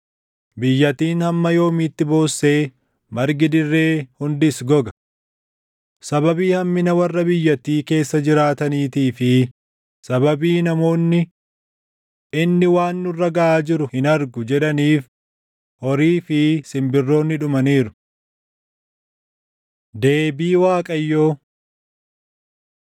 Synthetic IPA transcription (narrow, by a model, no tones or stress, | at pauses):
bɪjːɐt̪iːnhɐmːɐjo̞ːmiːt̪ːɪbo̞ːsːe̞ː | mɐɾɡɪd̪ɪrːe̞ːhʊnd̪ɪsɡɔɡɐ̥ | sɐbɐbiːhɐmːɪnɐwɐrːɐbɪjːɐt̪ːiːke̞ːsːɐd͡ʒɪɾaːt̪ɐniːt̪iːfɪ | sɐbɐbiːnɐmo̞ːnːɪ | ɪnːɪwaːnːʊrːɐɡɐʔaːd͡ʒɪɾʊhɪnɐɾɡʊd͡ʒɛᶑɐniːf | hɔɾiːfɪsɪmbɪrːo̞ːnːɪᶑʊmɐniːɾʊ̥ | d̪e̞ːbiːwaːkʼɐjːoː